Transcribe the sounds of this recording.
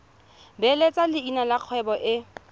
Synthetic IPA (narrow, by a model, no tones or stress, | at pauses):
bɛlet͡sʼalɪinalaq͡χʰwɛbɔʔɪ